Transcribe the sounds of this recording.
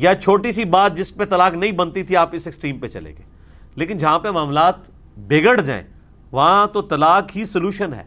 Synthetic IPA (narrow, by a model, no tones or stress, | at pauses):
jat͡ʃʰoːʈisibaːt̪̚d͡ʒɪspet̪ɐlaːknɐɦĩbɐnt̪it̪ʰiaːpɪsɪksʈɾiːmpet͡ʃɐ̰lḛːɡḛː | leːkɪnd͡ʒɐɦãpemaːmlaːt̪ | beːɡəɽd͡ʒa̰ːḛ̃ | ʋɐɦãt̪ot̪ɐlaːkɦisɐljuːʃənɦɛ̰ː